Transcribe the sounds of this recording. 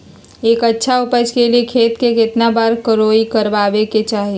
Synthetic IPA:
eːkətːʃʰaʊpət͡ʃkeliekʰeːt̪kekɪt̪nabaːɾkəɾoːikəɾʋaːʋeket͡ʃaːɦie

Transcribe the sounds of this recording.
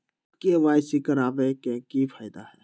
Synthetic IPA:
keʋaːjsikəɾaːbekẽkifʰaːɪd̪aɦɛː

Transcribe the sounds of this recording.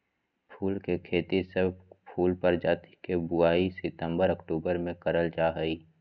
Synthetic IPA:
pʰuːlkekʰeːt̪isəbpʰuːlpəɾd͡ʒaːt̪i̥kebʊaːisɪt̪ə̃mbəɾɐkʈuːbəɾmẽkəɾəld͡ʒaːɦəiː

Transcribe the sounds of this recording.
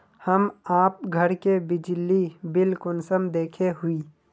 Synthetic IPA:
həmaːp̚ɡʱəɾkebɪd͡ʒlibɪlkʊnsəmd̪eːkʰeɦʊiː

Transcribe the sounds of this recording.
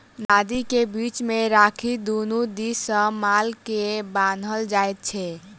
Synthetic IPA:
nad̪ikebit͡ʃmeɾakʰid̪onud̪isəmalkebãnd̪ʱəld͡ʒaet̪̚t͡ʃʰɛ

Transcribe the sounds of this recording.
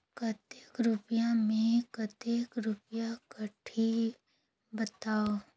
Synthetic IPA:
kət̪ekɾʊpjamẽkət̪ekɾʊpjakəʈʰi | bət̪aːo

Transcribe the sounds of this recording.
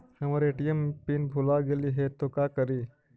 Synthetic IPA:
həmaɾeʈijempinbʱulaɡeliːɦet̪ːokakəɾiː

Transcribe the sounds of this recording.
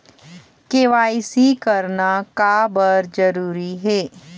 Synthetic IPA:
keʋaːisikəɾnakabəɾd͡ʒəɾuːɾiɦeː

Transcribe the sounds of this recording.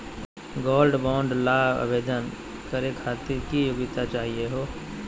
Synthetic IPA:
ɡoːlɖbɔ̃ːɳɖlaːbə̰beːd̪ən | kəɾekʰaːt̪iɾkijoːɡɪt̪at͡ʃaːɦieɦoː

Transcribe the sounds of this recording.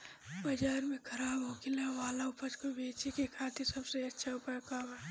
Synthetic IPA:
bəd͡ʒaːɾmẽkʰəɾaːbɦoːkilaʋaːlaʊpət͡ʃkobeːt͡ʃekekʰaːt̪iɾsɐbseɐtːʃʰaʊpəɾkamɛ

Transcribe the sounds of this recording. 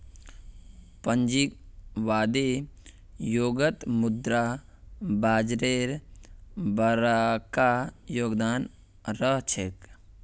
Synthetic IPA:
pənd͡ʒikʋaːd̪e | joːɡət̪mʊd̪ɾa | baːd͡ʒɾeːɾ | bəɾakajoːɡd̪aːn | ɾəɦt͡ʃʰek

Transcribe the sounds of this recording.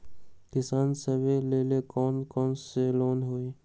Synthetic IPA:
kɪsaːnsəbeleːlekɔːnkɔːnseloːnɦoːeː

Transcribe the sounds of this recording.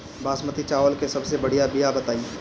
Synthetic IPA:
baːsmət̪it͡ʃaːʋəlkesɐbsebɐɽ̤ijabijabɐt̪aːi

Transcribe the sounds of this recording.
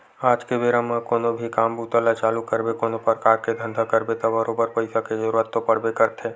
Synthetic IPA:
aːd͡ʒkebeːɾamãkoːnobʱikaːmbuːt̪əlat͡ʃaːlukəɾbekoːnopəɾkaːɾked̪ʱə̃nd̪ʱakəɾbet̪abəɾoːbəɾpəɪsaked͡ʒəɾuɾət̪ːopɐɽbekəɾt̪ʰeː

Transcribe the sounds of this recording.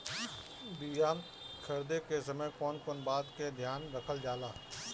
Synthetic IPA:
bijaː | kʰɐɾd̪ekesɐmə̃jkɔːnkɔːnbaːd̪ked̪ʱjaːnɾəkʰəld͡ʒaːlaː

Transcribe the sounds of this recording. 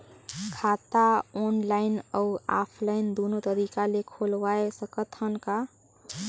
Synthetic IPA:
kʰaːt̪aɔnlaɪnəua̰ːpʰlaɪnd̪oːnot̪əɾikalekʰolwaesəkət̪hənka

